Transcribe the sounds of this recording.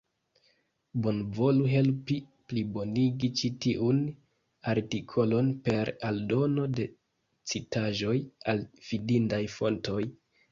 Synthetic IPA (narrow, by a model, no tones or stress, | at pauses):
bo̞nvo̞luɦe̞lpi | plibo̞niɡit͡ʃitiʔun | aɾtikʰo̞lo̞npe̞ɾaldo̞no̞de̞ | t͡sitaʒo̞jalv̥idintajfo̞nto̞j